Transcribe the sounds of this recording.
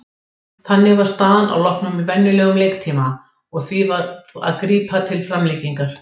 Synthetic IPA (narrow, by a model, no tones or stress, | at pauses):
θanːɪɣvaɾ̥st̪aːðana̰wlɔhknʏmɪvɛnːʏlɛːɣʏmlejk̚t̪ʰiːma | ɔɣθvivaa̰ðkɾiːpʰat̪ʰɪlfɾamlejciŋkaɾ̥